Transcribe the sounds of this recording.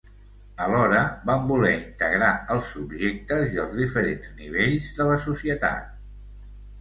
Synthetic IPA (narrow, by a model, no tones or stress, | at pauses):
əlɔɾəβambulɛint̪əɣɾaəlˠsubʒek̚t̪əziəlˠzðifəɾenzniβ̞eʎzðələsusiət̪a̰t̪̚